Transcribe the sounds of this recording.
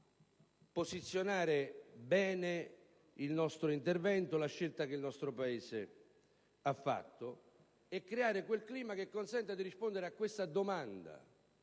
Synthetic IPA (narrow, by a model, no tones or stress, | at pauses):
posit̪sːjonaːɾɪbɛːne | ilnɔst̪ɾʊint̪ervɛnt̪olaʃːelt̪akeilnɔst̪ɾopaeːsɪ | afːa̰t̪ːo | ɛkːɾeaːɾɪkwelkliːmak̟ekːonsɛnt̪ad̪iɾispond̪eɾeakːwest̪ad̪omand̪a̰